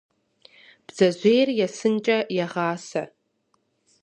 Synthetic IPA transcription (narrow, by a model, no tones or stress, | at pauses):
b̥zaʒʷejrjasɨnt͡ʃʼajaʁaːsa